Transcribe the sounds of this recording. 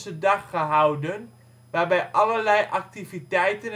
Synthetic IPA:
sədɑχːəɦawdən | ʋaːrbɛjʔɑlərlɛjʔɑk̚tifitɛjtən

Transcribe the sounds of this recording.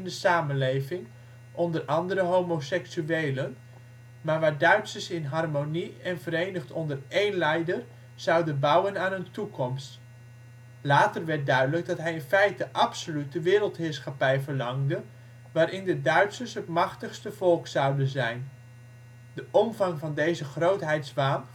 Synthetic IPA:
ndəsaːmənlejvɪŋ | ʔɔndərʔɑndəɾəɦowmosɛksyeːlən | maːɹʋaːɹdœɥtsəsɪnɦɑrmoniɛnvəɾejnəχtʰɔndərejnlɛjdər | z̥ɑwdənbʌwənaːnəntukʰɔmst | laːtərʋɛɹt̚dœɥdələɡ̚dɑtɦɛjɪnfɛjtdəʔɑpsolytəʋɪːɾəlˠtɦɪːɹsχapɛjvəɹlɑŋdə | ʋaːɾɪndədœɥtsəsɦətmɑχtəχstəv̥ɔlˠksɑwdənzɛjn | dəʔɔmvɑŋvɑndejzəχrowtɦɛjtsʋaːm

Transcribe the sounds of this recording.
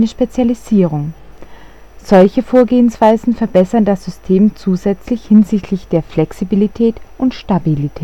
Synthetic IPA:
nəʃpet͡sjaliziːʁ̞ʊŋ | z̥ɔlçəfoːɐɡeːənsv̥aɪzn̩fɛɐbɛsɐndasz̥ʏstʰeːmt͡suːzɛt͡slɪçhɪnzɪçtʰlɪçd̥eːɐflɛksibilitʰɛːtʔʊntʃtabilitʰɛː

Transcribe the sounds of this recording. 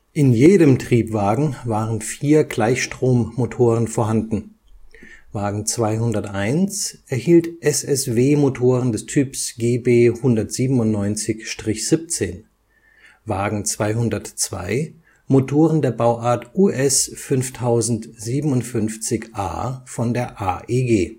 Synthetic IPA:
ʔɪnjeːɾəmtʁ̥iːpv̥aːɡŋ̩vaːʁənfiːɐɡlaɪçʃtʁ̥oːmːotʰoːʁ̞ənfoːɐɦandn̩ | vaːɡŋ̩t͡sv̥aɪɦʊndɐtʔaɪnt͡sʔɛɐhiːltʔɛsɛsveːmotʰoːʁəndɛstʰyːpsɡ̥eːbeːhʊndɐtz̥iːbm̩ʊntnɔʏnt͡sɪçʃtʁ̥ɪçz̥ɪp̚t͡seːn | vaːɡŋ̩t͡sv̥aɪɦʊndɐtt͡sv̥a̰ɪ | motʰoːʁəndeːɐbaʊʔaːɐtʔuʔɛsfʏnftʰaʊzn̩tz̥iːbm̩ʊntfʏnft͡sɪçʔa̰ːfɔndeːɐʔa̰ːʔeːɡeː

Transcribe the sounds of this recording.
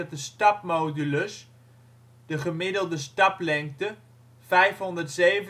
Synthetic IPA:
tdəstɑp̚mowdyləs | d̥əχəmɪdəlˠdəstɑplɛŋk̚tə | vɛjfɦɔndərtsejv

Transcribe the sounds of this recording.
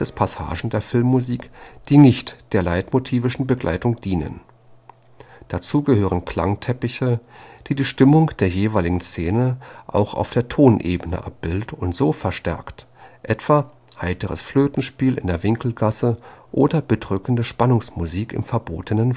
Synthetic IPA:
d̥ɛspʰasa̰ːʒn̩deːɐfɪlmːuziːkd̥iːnɪçtd̥eːɐlaɪtmotʰiːvɪʃn̩bəɡlʔa̰ɪtʊŋd̥iːnə̰n | d̥at͡suːɡəhøːʁ̞ənkʰl̥a̰ŋtʰɛpɪçəd̥iːdiːʃtɪmʊŋd̥eːɐjeːvaɪlɪɡŋ̩st͡seːnəʔa̰ʊxa̰ʊfd̥eːɐtʰoːnʔḛːbənə̰ʔa̰p̚b̥ɪldətʊntz̥oːfɛɐʃtɛ̰ɐkt | ʔɛtv̥a | haɪtəʁ̞ə̰sfløːtn̩ʃpiːlʔɪ̰ndeːɐvɪŋkl̩ɡasəʔoːdɐb̥ədʁʏkn̩dəʃpanʊŋsmuziːkɪ̰mfɛɐbo̰ːtənən

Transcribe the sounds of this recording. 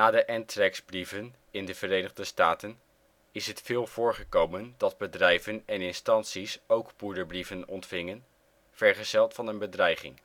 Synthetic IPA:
naːdəʔɛntrɛksbrivən | ɪndəv̥əɾejnəχdəstaːtən | ɪsɦətfɪːlˠv̥ʊːɹχəkowməndɑd̚bədrɛjvənɛnɪnstɑntsisowkpuɹdəɹbrivənɔntfɪŋən | v̥ɛɹχəz̥ɛlˠtfɑnənbədrɛjχɪ̰ŋ

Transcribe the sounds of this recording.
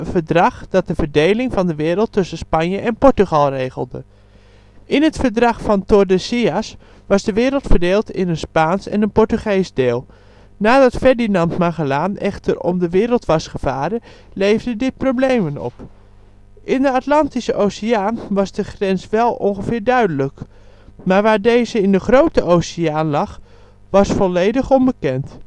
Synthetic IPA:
vəɹdrɑχd̥ɑt̚dəvədejlɪŋvɑndəʋɪːɾəlˠtːɵsəspɑnjəʔɛnpɔɹtyχɑlˠrejχəlˠdə̰ | ʔɪnɦətfəɹdrɑχfɑntodəsias | ʋɑsdəʋɪːɾəlˠtfəɹdeːlˠtɪ̰nənspaːnsɛ̰nənpɔɹtyχejsdeːlˠ | naːdɑtfɛɹdinɑntmaχəlaːnɛχtʰərɔ̰mdəʋɪːɾəlˠtʋɑsχəv̥aːdə | lejvdədɪt̚prowblejmənɔ̰p | ʔɪndəɑtlɑntisəʔowsiaːnʋɑzdəχrɛnsʋɛlˠʔɔ̰nχəvɪːɹdœɥdələk | maːɹʋaːɹdejzəɪndəχrowtəʔosijaːnlɑχ | ʋɑsfɔlejdəχɔnbəkɛnt

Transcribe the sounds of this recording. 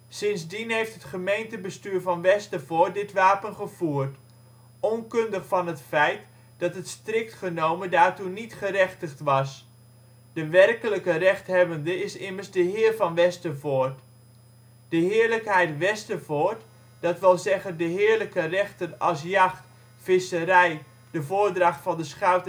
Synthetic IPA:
sɪnsdinɦejftɦətχəmejntəbəstyːɹvɑnʋɛstəvoːt̚dɪtʋaːpənχəv̥uːərt | ɔnkɵndəχfɑnɦətfɛjt | d̥ɑtɦətstrɪk̚tχənowməndaːrtunitχərɛχtəχtʋɑs | d̥əʋɛrkələkərɛχtɦɛbəndəɪsɪmərsdəɦɪːrvɑnʋɛstəvoːrt | d̥əɦɪːəɹləkɦɛjtʋɛstəvoːrt | d̥ɑtʋɪlˠzɛχəndəɦɪːəɹləkərɛχtənɑs̬jɑχt | fɪsəɾɛj | d̥əvoːrdrɑχtfɑndəsχœɥt

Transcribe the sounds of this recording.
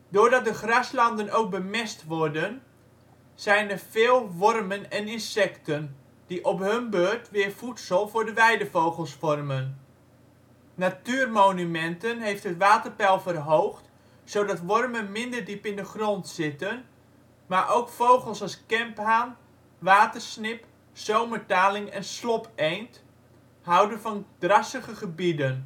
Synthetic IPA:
dʊːɹdɑt̚dəχrɑslɑndənowk̚bəmɪstʋɔrdən | z̥ɛjnərv̥ɪːlˠʋɔrmənɛnɪnsɛktən | d̥iʔɔpɦɵnbøɹtʋɪːɹfutsəlˠvʊːɹdəʋɛjdəvowχəlˠsfɔrmən | atyːrmoːnymɛntənɦejftɦətʋaːtərpɛlˠfərɦowχt | sowdɑtʋɔrmənmɪndərdipɪndəχrɔntsɪtən | maɹʔowkfowχəlˠsɔskɛmpɦaːn | ʋaːtərsnɪp | sowmətaːlɪŋɛnslɔpʰejnt | hawdənvɔnd̥rɑsəχəχəbidən

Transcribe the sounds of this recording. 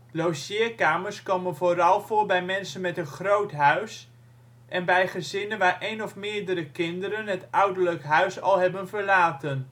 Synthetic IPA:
lowsɪːkaːməɹskomənvoːɾɑlˠvoːɹbɛjmɛnsənmɛtənχrowtɦœɥs | ʔɛnbɛjχəzɪnənʋaːɹʔejnɔfmɪːɹdəɾəkɪndəɾənɦətʔʌwdəɹləkɦœɥsɑ̰lˠɦɛbənvəɹlaːtən

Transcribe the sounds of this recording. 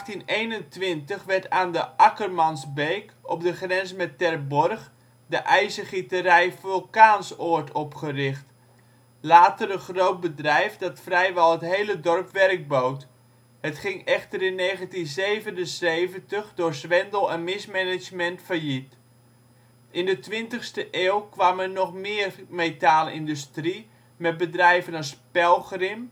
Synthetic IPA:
xtinejnəntʋɪntəχʋɛɹtaːndəʔɑkərmɑnsbejkɔb̚dəχrɛnzəmɛtːɛrbɔrχ | dəʔɛjzəχitərɛjfølˠkaːnsoːɹtʰɔpχərɪχt | laːtərənχrowt̚bədrɛjfdɑtfrɛjʋɛlˠɦətɦejlədɔrpʋɛrɡ̚bowt | hətχɪŋɛχtəɾɪnːeːχəntinzejvənənzejvəntəχdʊːɹsʋɛndəl̩ˠɛnmɪsmɛnɪd͡ʒmɛntfərjit | ʔɪndətʋɪntəχstəʔeːwkʋamənɔχmɪːərmejtaːlɪndystri | mɛt̚bədrɛjvənɔspɛlˠχrɪm

